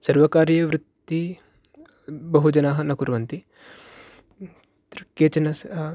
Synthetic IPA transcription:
sɐɾʋɐkaːɾjɐʋɾut̪ːi | bɐɦud͡ʒɐnaːɦɐnɐkuɾʋɐnt̪i | t̪ɾɐkeːt͡ʃɐnɐs

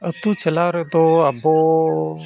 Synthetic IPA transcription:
ət̪ũːt͡ʃəlaːɾet̪oːaboː

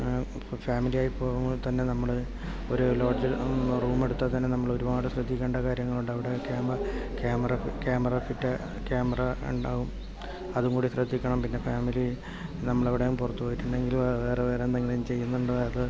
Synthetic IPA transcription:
faːmilijaːjipːo̞ːɣɐmt̪ɐnːe̞nɐmːɐɭɨ | o̞ɾulo̞ːd͡ʑiruːme̞ɽut̪ːɐt̪ɐnːenɐmːɐɭo̞ɾuʋaːɽɨɕrɐd̪ʱːikʲːeːɳɖɐkaːɾjɐŋːɐɭuɳɖɐʋiɽe̞kaːmkjaːmɐrɐkjaːmɐrɐfitːɐ | kjaːmɐrɐṵɳɖaːɣum | ɐðuŋɡuːɽiɕrɐd̪ʱːikʲːɐɳɐmpinːe̞faːmili | nɐmːɐɭɐʋiɽejumpurɐt̪ːupoːjiʈːuɳɖe̞ŋɡilʋeːreʋeːrend̪eŋːɡilmt͡ɕe̞jːunːuɳɖɐɐðɨ

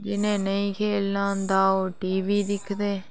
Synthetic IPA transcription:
d͡ʒɪnẽːnəĩːkʰeːlnãːnd̪aːoːʈiːʋiːd̪ɪkʰd̪eː

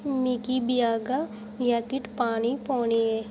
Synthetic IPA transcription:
mikibɪjaːɡa | jakɪʈpaːnipɔːniɦɛː

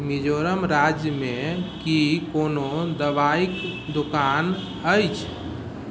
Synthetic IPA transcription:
mid͡ʒoɾəmɾad͡ʒjəmekikonod̪əbaikd̪okan | əjt͡ʃʰ

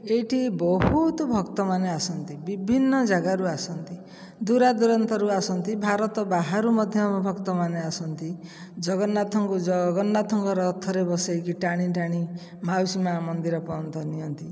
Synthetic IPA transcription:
eʈʰibɔɦut̪ɔbʱɔkt̪ɔmaneasɔnt̪ibibʱinːɔd͡ʒaɡaɾuasɔnt̪i | d̪uɾad̪uɾɔnt̪ɔɾuasɔnt̪ibʱaɾɔt̪ɔbaɦaɾumɔd̪ʱjɔmbʱɔkt̪ɔmaneasɔnt̪i | d͡ʒɔɡɔnːat̪ʰɔŋkud͡ʒɔɡɔnːat̪ʰɔŋkɔɾɔːt̪ʰːɔɾebɔsajkiʈaɽ̃iʈaɽ̃i | mawsimamɔnd̪iɾɔpɔɔnt̪ɔnijɔnt̪i

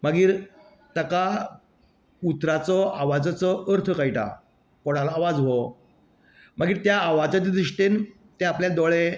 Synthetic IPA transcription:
məɡiːɾ | t̪əka | kut̪ɾat͡sɔaʋad͡zat͡sɔʔəɾt̪ʰəkajʈa̰ | kɔɽ̤alaːʋad͡zʋɔ | məɡiːɾt̪jaːʋad͡zat̪id̪ɾiʂʈen | t̪ẽapljad̪ɔɭe

